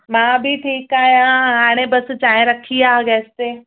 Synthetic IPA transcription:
mãːbʱiʈʰiːkaːɦijãɦaːɽ̃ẽbɐst͡ɕaːɦẽɾɐkʰiaɡɛːst̪eː

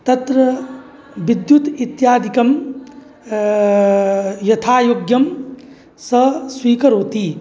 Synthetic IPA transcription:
t̪ɐt̪ɾɐ | ʋid̪jut̪it̪jaːd̪ʱikɐm | jɐt̪ʰaːjoːɡjɐm | sɐswiːkɐɾoːt̪i

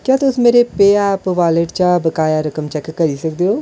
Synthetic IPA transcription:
kjaːt̪ʊsmeːɾepeːaːpʋaːləʈt͡ʃabəkaːjaɾɐkəmt͡ʃɛkːəɾiːsəkd̪eoː

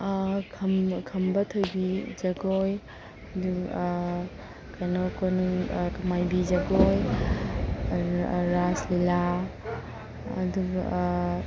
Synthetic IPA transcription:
kʰɐmkʰɐmbɐtʰojbid͡ʒɐɡoj | ɐdu | kajnokonukɐmajbizɐɡoj | ɾaslila | ɐduɡɐ̰

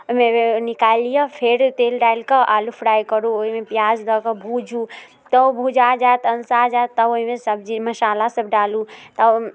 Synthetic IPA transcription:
omẽnɪkaːlijapʰeɾt̪eːlɖaːɪlkəʔaːlupʰɽaːjkəɾuoimẽpjaːzd̪əkəbʱuːd͡ʒu | t̪əbʱud͡ʒad͡ʒat̪əlsad͡ʒaːt̪ːəoɦimẽsəbd͡ʒiməʃaːlasəbɖaːlut̪ə

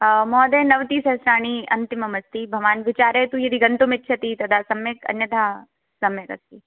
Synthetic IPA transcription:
mɔːd̪eːnɐʋt̪iːsɐsɾaːɳ̃iɐ̰nt̪imɐmɐst̪ibʱɐʋaːnʋɪt͡ʃaːɾet̪ujɐd̪iɡɐnt̪umɪt̪ːt͡ʃʰɐt̪it̪ɐd̪ʱaːsɐmjɐkɐ̰njɐd̪ʱaː | sɐmjɐkɐ̰st̪i

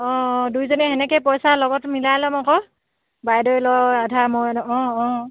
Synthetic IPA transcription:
ɔ̃dujzɔnɛɦɛnɛkɛjpɔjsalɔɡɔtmilajlɔmɔkɔ | bajdɔjlɔadʱamɔlɔ̃ɔ̃

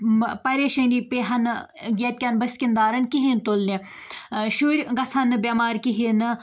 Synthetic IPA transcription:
pɐɾʲeːʃɐniːpeːɦɐn | ɡʲiɐt̪̚ʲkʲɐnbɐsʲkʲind̪aːɾɐnkiɦint̪olne | ʃuːɾʲɡɐsʰɐnbʲaːmaːɾkiɦin

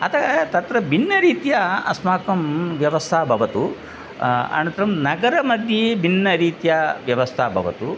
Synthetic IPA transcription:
ɐt̪ʰɐɐt̪ɐt̪ɾɐbʱinːɐɾiːt̪jɐɐ̰smaːkɐmʋjɐʋɐst̪ʰaːbʱɐʋɐt̪u | ɐ̰nɐnt̪ɾɐmnɐɡɐɾɐmɐd̪ʱjebʱinːɐɾiːt̪jɐʋjɐʋɐst̪ʰaːbʱɐ̰ʋɐ̰t̪u

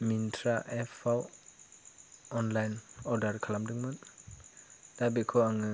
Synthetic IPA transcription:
mintʰɾaʔepʰaw | ɔnlajnɔɾdaɾkʰalamdɯŋmɯn | d̥abikʰɔaŋɯ

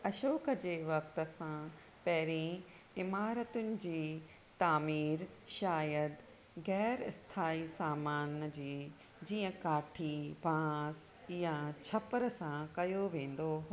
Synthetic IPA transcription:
ɐʃoːkʰəd͡ʑeːʋɐk̚t̪ə̆sã | pɐɦɪɾĩ | ɪmaːɾət̪ʊnɪ̆d͡ʑiː | t̪aːmiːɾʃaːjəd̪ | ɣɛːɾɪ̰st̪ʰaːisaːmaːnd͡ʑiː | d͡ʑiːə̃kaːʈʰibãːsjat͡ɕʰɐpəɾəsãkɐjoʋẽːn̆d̪oɦ

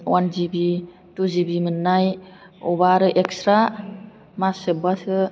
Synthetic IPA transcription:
wanzibi | tuzibimɯnːaj | ɔbaɾɯʔeksɾa | masɯbasɯ

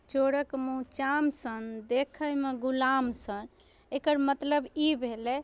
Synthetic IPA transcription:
t͡ʃoɽəkmũt͡ʃamsənd̪ekʰəjmeɡulamsən | ekəɾmət̪ləbibʱelɛ

